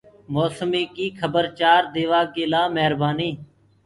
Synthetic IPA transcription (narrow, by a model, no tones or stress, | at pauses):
moːsəmiːkiːkʰəbəɾt͡ʃaːɾd̪eːʋaːkeːlaːmɛɦəɾbaːniː